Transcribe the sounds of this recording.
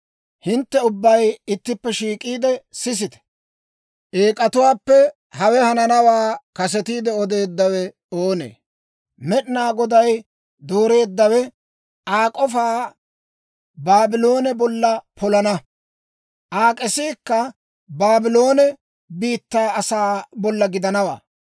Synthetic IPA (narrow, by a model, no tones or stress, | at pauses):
hɪnt̪ːɛʊbːɐjɪt̪ːɪpːɛʃiːkʼiːd̪ɛsɪs̬ɪt̪ɛ̥ | ʔeːkʼɐt̪ʊwaːpːɛ | hɐwɛhɐnɐnɐwaːkɐsɛt̪iːd̪ɛɔd̪e̞ːd̪ːɐwɛ | oːnḛː | mɛɗɪnaːɡɔd̪ɐj | d̪o̞ːɾe̞ːd̪ːɐwɛ | ʔaːkʼɔfaː | baːbɪlo̞ːnɛbɔlːɐpʰɔlɐnɐ | ʔaːkʼɛsiːkːɐ | baːbɪlo̞ːnɛ | biːt̪ːaːɐsaːbɔlːɐɡɪd̪ɐnɐwa̰ː